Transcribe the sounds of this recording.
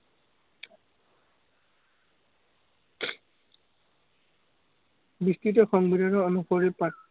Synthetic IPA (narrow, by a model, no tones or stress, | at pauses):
bistitɔxɔŋbidʱanɔɔnuxɔɹipa